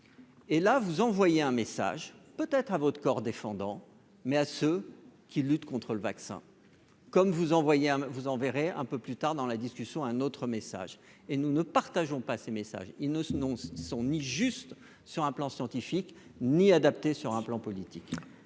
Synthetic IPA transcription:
elavuzɑ̃vwajeɛ̃mesa̰ʒpøt̪ɛt̪χavɔt̪əkɔʁd̪efɑ̃d̪ɑ̃ | mɛasøkʲilyt̪kɔ̃t̪χələvaksɛ̰̃ | kɔmvuzɑ̃vwajeɛ̃vuzɑ̃veʁeɛ̰̃pøplyt̪aʁd̪ɑ̃lad̪iskʲysjɔ̃ɛ̃not̪χəmesa̰ʒ | enunəpaʁt̪aʒɔ̃pasemesa̰ʒilnəsnɔ̃sɔ̃niʒyst̪ | syʁɛ̃plɑ̃sjɑ̃t̪ifik | niad̪ap̚t̪esyʁɛ̃plɑ̃pɔlit̪ik

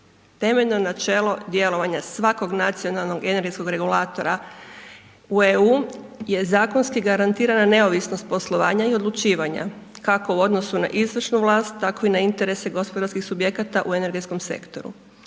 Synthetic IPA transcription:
t̪e̞meʎno̞nat͡ʃe̞ːlo̞d̪je̞lo̞ʋaɲasʋako̞ɡnat̪sijonalˠno̞ɡe̞ne̞ɾɡesko̞ɡɾe̞ɡulˠaːt̪o̞ɾa | ueuːje̞zaːko̞nskiɡaɾant̪iːɾanane̞o̞ʋisno̞st̪̚po̞slˠo̞ʋaːɲaio̞d̪lˠut͡ʃiːʋaɲa̰ | kako̞uo̞d̪nosuna̰ʔizʋr̩ʃnuʋlˠaːst̪t̪ːako̞inaint̪e̞ɾe̞se̞ɡo̞spo̞d̪aɾskixsubje̞kat̪aʔue̞ne̞ɾɡetsko̞mse̞̰kt̪o̞̰ɾṵ

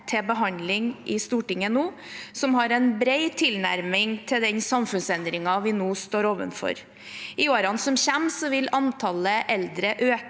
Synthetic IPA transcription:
t̪ʰɛbəɦɑnd̪lɪŋʔɪst̪uːʈɪŋːənoː | sɔmhɑɾɛɪnbɾeɪt̪ʰɪlnæ̰ɾmɪŋt̪ʰɪld̪ɛnsɑmfʉnsɛnd̪ɾɪŋɑʋɪnoːst̪oːɾoːʋə̰nfɔ̰ɾ | ɪoːɾɑnsɔmçɛmsɔʋɪlɑnt̪ʰɑləʔɛld̪ɾəʔøː

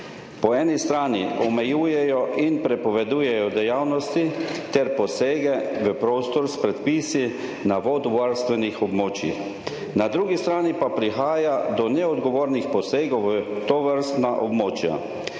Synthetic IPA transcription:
pɔɛːnist̪ɾaːniɔmɛjuːjɛjɔʔinpɾɛpɔʋɛd̪uːjɛjɔd̪ɛjawnɔst̪it̪ɛɾpɔseːɡɛʋəpɾoːst̪ɔɾspɾɛt̪pisi | naʋoːd̪ʋaɾst̪ʋɛnixɔbmoːt͡ʃḭ | nad̪ɾuːɡist̪ɾaːnipapɾixaːjad̪ɔnɛɔd̪ɡɔʋoːɾnixpɔseːɡɔwʋət̪oʋəɾst̪naʔɔbmoːt͡ʃja̰

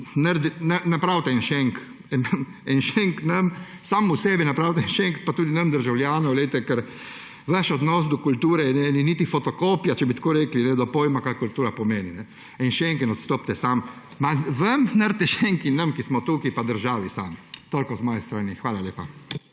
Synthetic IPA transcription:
nəɾd̪nanapɾaːwt̪ɛɛnʃeŋk | nɐm | ɛnʃeŋknɐm | saːmusɛːbinapɾaːwt̪ɛɛnʃeŋkpat̪uːd̪inɐmd̪əɾʒawlʲjaːnɔwlet̪ɛkɛɾ | ʋaʃɔd̪nɔs̬d̪ɔkult̪uːɾɛnɛniniːt̪ifɔt̪ɔkoːpjat͡ʃɛbit̪koːɾeːklinɛd̪ɔpoːjmakajkult̪uːɾapɔmeːninɛ | ɛnʃeŋkinɔt̪st̪oːp̚t̪ɛsam | maʋɐmnəɾt̪ɛʃɛŋkinːɐmkismɔt̪uːkipad̪əɾʒaːʋisamt̪oːlʲkɔzmɔːjɛst̪ɾaːnixʋaːlaljeːpa

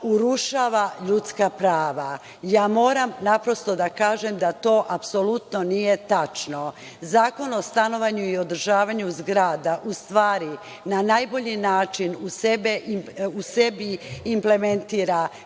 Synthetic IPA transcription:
uɾuʃaːʋaʎut̪skapɾaːʋa | jaːmo̞ːɾamnapɾo̞st̪o̞d̪akaːʒemd̪at̪o̞ːʔapso̞lut̪no̞nije̞t̪at͡ʃno̞ | zaːko̞no̞st̪ano̞ʋaɲuio̞d̪r̩ʒaːʋaɲuzɡɾaːd̪aʔust̪ʋaːɾi | nanajbo̞ʎinaːt͡ʃinuse̞beiuse̞biimple̞ment̪iːɾa

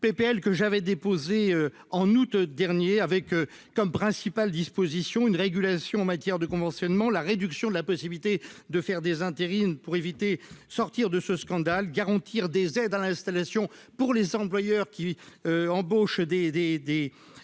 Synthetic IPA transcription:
pepeɛlkəʒavɛd̪epozeø | ɑ̃nut̪d̪ɛʁnjeavɛkː | ɔmpχɛ̃sipald̪ispozisjɔ̃ynʁeɡʲylasjɔ̃ɑ̃mat̪jɛʁd̪əkɔ̃vɑ̃sjɔnmɑ̃laʁed̪yksjɔ̃d̪əlapɔsibilit̪ed̪əfɛʁd̪ezɛ̃t̪eʁinpuʁevit̪esɔʁt̪iʁd̪əsəskɑ̃d̪alɡaʁɑ̃t̪ʰiʁd̪ezɛd̪alɛ̃st̪alasjɔ̃puʁlezɑ̃plwajœʁkʲiøɑ̃boʃd̪ed̪ed̪e

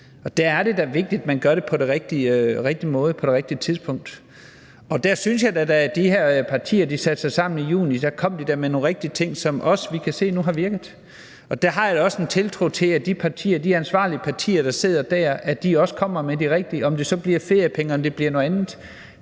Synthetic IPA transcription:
ɒ̽d̥ææɐɾe̝d̥æʋe̝ɡ̥̚d̥id̥mænɡ̥ɶɐɾe̝pʰɒ̽ɾeʁeɡ̥̚d̥iʁeɡ̥̚d̥imɔ̽ːð̞̩ˠəpʰɒ̽ɾe̝ʁeɡ̥d̥iət͡sʰið̞ˠsb̥ʰɔ̽ŋ̰d̥ | ɒ̽d̥æɐsynsjɑ̈ɪd̥ædææɐd̥iheɐ̰pʰɑ̈t͡sʰḭːɐd̥isæd̥sɑ̈ɪsɑ̈m̰n̩ijṵːnid̥ækʰɒ̽m̰ɐd̥id̥æɐmeno̝ːnʁeɡ̥̚d̥iət͡sʰe̝ŋ̰sɒ̽mʔɒ̽sʋikʰæse̝̰ːnuɦɑ̈ʋiɐɡ̥ð̩ˠ | ɒ̽d̥æɐɦɑ̈jaɒ̽sent͡sʰe̝lt͡sʰʁot͡sʰe̝æd̥ipʰɑ̈t͡sʰḭːɐd̥iænsʋɑ̰̈ːliəpʰɑ̈t͡sʰḭːɐɾ̥ɑ̈se̝ð̞̰ˠɐd̥æɐ̰æd̥iɒ̽sə̥kʰɒ̽m̰ɐmed̥iʁeɡ̥̚d̥iɒ̽md̥e̝sɒ̽b̥liɐ̰fe̝ɐjəpʰeŋəɒ̽md̥e̝b̥liɐno̽ð̩ˠænð̩ˠ

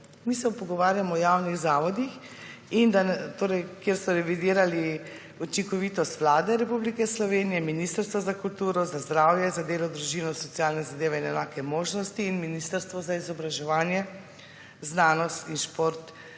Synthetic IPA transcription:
miːsɛpɔɡɔʋaːɾjamɔːjaːwniɣzaːʋɔd̪ixind̪ant̪oːɾɛjkjeɾsmɔɾɛʋid̪iːɾali | ut͡ʃiŋkɔʋiːt̪ɔst̪ʋlaːd̪ɛɾɛpublikɛslɔʋeːnijɛminist̪əɾst̪ʋɔzakult̪uːɾɔzazd̪ɾaːwjɛzad̪eːlɔd̪ɾuʒinɔsɔt̪sialnɛzad̪eːʋɛinɛnaːkɛmoːʒnɔst̪iːnminist̪əɾst̪ʋɔzaizɔbɾaʒɛʋaːnjɛ | znaːnɔst̪inʃpoːɾt̪

